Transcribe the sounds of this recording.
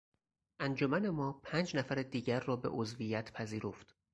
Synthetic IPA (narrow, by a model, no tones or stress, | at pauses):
ʔænd͡ʒomæne̞mɒːpʰæːnd͡ʒnæfæɾed̪iːɟæɾːɒːbe̞̰ʔozvijæt̪ʰpʰæziːɾo̞ft̪